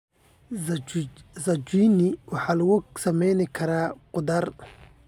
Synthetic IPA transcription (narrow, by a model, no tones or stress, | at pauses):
sɐt͡ʃiːnɪwɑħɑːlɐɣʊsɐmɛjnɪkʰɐɾaːqʊd̪ɐr